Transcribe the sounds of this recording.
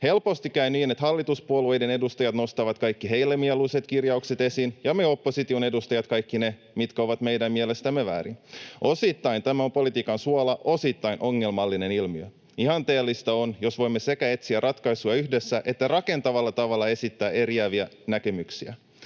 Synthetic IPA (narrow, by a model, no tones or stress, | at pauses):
he̞lpo̞st̪ikːæiniːne̞t̪hɑlːit̪uspuolue̞jde̞ne̞dust̪ɑjɑt̪no̞st̪ɑʋɑt̪kɑjkːiɦe̞jlːemieluise̞t̪kirjɑukset̪e̞sinjɑmeo̞pːo̞sit̪ione̞dust̪ɑjɑt̪kɑjkːine | mit̪kæo̞ʋɑt̪me̞jdæmmiele̞st̪æmːeʋæ̰ːɾino̞sit̪ːɑjnt̪æmæo̞mpo̞lit̪iːkɑnsuɑlɑʔo̞sit̪ːɑjnʔo̞ŋːe̞lmɑlːine̞nilmiø | ihɑnt̪eːlːist̪ɑonjo̞sʋo̞jmːese̞kæe̞t̪siærʔɑt̪kɑjsuɑyhdesːæʔe̞t̪ːærɑke̞nt̪ɑʋɑlːɑt̪ɑʋɑlːɑe̞sit̪ːæːe̞ɾiæːʋiæ | nækemyksiæ̰